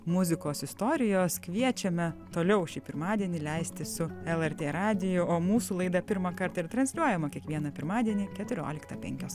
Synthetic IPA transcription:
mʊzʲɪkoːsɪst̪oːɾʲɪjoːskʋʲiɛt͡ʃʲɛmʲɛt̪oːlʲɛʊʃʲiːpʲɪɾmɑːd̪ʲiɛnʲɪlʲɛɪsʲt̪ʲɪsʊɛlˠɛɾt̪ʲeːɾɑːd̪ʲɪjʊoːmuːsuːlˠɐɪd̪ɐpʲɪɾmɐkɐɾt̪ɐɪɾt̪ɾɐnsʲlʲuɔjɛmɐkʲiɛkʋʲiɛnɐpʲɪɾmɑːd̪ʲiɛnʲiːkʲɛt̪ʊɾʲo̰ːlʲɪkt̪ɐpʲɛ̰ŋʲkʲoːs

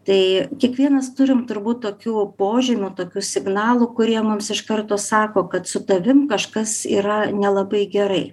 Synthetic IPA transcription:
t̪ɐɪkʲiɛkʋʲiɛnɐst̪ʊɾʲɪmt̪ʊɾbuːt̪̚t̪oːkʲuːpoːʒʲɪmʲut̪oːkʲuːsʲɪɡnɑːlˠukʊɾʲiɛmʊmsɪʃkɐrt̪oːsɑːkoːkɐt̪sʊt̪ɐʋʲɪmkɐʃkɐsḭːɾɐnʲɛlˠɐbɐɪɡʲɛɾɐɪ

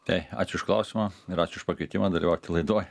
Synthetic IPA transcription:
t̪ɐɪɑ̰ːt͡ʃʲʊɪʃklˠɐʊsʲimɐɪɾɑːt͡ʃʲʊɪʃpɐkɛɪt̪ʲɪmɐd̪ɐlʲiʋɐʊt̪ʲɪlˠɐɪd̪oːj

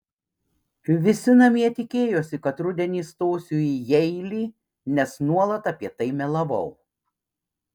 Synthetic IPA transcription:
ʋʲɪsʲɪnɐmʲiɛt̪ʲɪkʲeːjoːsʲɪkɐt̪ɾʊd̪ʲɛnʲiːst̪oːsʲuːijɛɪlʲiː | nʲɛsnuɔlˠɐt̪ɐpʲiɛt̪ɐɪmʲɛlˠɐʋɒ̰ʊ

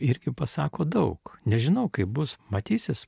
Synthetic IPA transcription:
ɪɾʲɡʲɪpɐsɑːkoːd̪ɐʊknʲɛʒʲɪnɐʊkɐɪp̚bʊsmɐt̪ʲiːsʲɪs

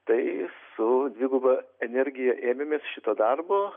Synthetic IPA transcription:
t̪ɐɪsʊd̪ʲʋʲɪːɡʊbɐɛnʲɛɾʲɡʲɪjɛʔeːmʲemʲeːsʃʲɪt̪oːd̪ɐrboː

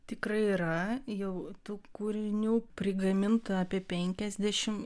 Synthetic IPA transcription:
t̪ʲɪkɾɐɪiːɾɐjɛʊt̪uːkuːɾʲɪnʲuːpʲɾʲɪɡɐmʲɪnt̪ɐɑːpʲiɛpʲɛŋʲkʲɛzʲd̪ʲɛʃʲɪm

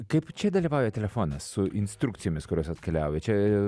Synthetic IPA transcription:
kɐɪpt͡ʃʲɛd̪ɐlʲiʋɑʊjɛt̪ʲɛlʲɛfoːnɐssʊʔinst̪ɾukt̪sʲijoɔmʲɪskɔɾʲoːsɐt̪kʲɛlʲæʊjɛt͡ʃʲɛ

